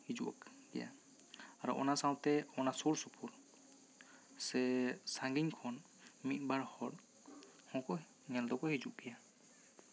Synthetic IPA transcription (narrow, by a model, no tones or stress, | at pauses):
hid͡ʒuʔa̰kɡɛ̰ja̰ | aɾɔ̰ʔɔ̰nasawt̪ɛɔnasoɹsupʰuɾ | sɛsaŋɡiŋkʰɔn | mit̪̚baɹhɔɾ | hɔ̃kɔ | ŋɛld̪ɔkɔhid͡ʒuʔɡɛja